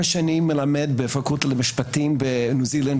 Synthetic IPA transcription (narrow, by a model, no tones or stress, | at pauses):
aʃanimːelamed̪̚befakut̪lemiʃpatimbenuzilan